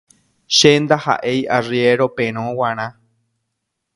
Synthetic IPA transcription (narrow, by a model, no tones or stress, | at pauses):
ʃend̪aha̰ʔejʔarjeɾo̞pẽɾ̃õwãɾ̃ã